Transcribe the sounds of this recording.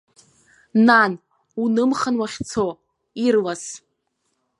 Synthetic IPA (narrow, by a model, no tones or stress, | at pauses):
nan | unɨmχanwaχʲt͡sʰo | irlas